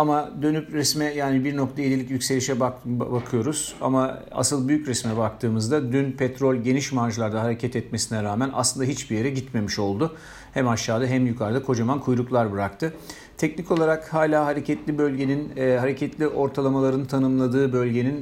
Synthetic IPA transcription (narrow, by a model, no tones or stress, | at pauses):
amad̪ø̞nypɾɛsmɛjaːnibiɾnok̚t̪ʰajelʲilʲic̬jycʲse̞lʲiʃɛbbakʰɯjo̞ɾuz̥a̰maa̰sɯlˠbyjycɾɛsmɛbak̚t̪ʰɯːmɯzd̪ad̪ynpʰɛt̪ɾo̞lʲɟe̞niʃmaɾʒlˠaɾd̪aɦaɾe̞cʰɛt̪ɛt̪me̞sinɛɾaːmænʔa̰slˠɯnd̪aɦit͡ʃbije̞ɾɛɟit̪me̞miʃo̞lˠd̪ʊ | hæmaʃːaːd̪aɦæmjukʰaɾd̪akʰo̞d͡ʒamankʰujɾuklˠaɾbɯɾak̚t̪ʰɯ | t̪ʰɛcnico̞lˠaɾakhaːlʲaːɦaɾecʰɛt̪lʲibø̞lʲɟe̞ninːɦaɾe̞cʰɛt̪lʲiʔo̞ɾt̪ʰalˠamalˠaɾɯnt̪ʰanɯmlˠad̪ɯːbø̞lʲɟe̞nin